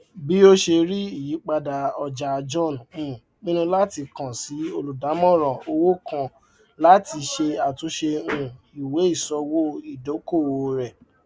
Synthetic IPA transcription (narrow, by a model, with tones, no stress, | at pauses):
bi˨˦o˦ʃe˧ɾi˦i˦˨ji˨˦k͡pa˧da˧ɔ˧d͡ʒa˧d͡ʒɔ̃˦˨n˨ũ˨˦˨ | nĩ˦nũ˧la˦ti˧kã˨si˨˦o˧lu˨da˨˦mɔ̃˦˨ɾ̃ɔ̃˨o˧wo˦kã˧ | la˦ti˧ʃe˧a˨tũ˧˦ʃe˧ũ˧ | i˨we˨˦i˦˨sɔ˧wo˦i˦˨do˨˦ko˦˨wo˧ɾɛ˨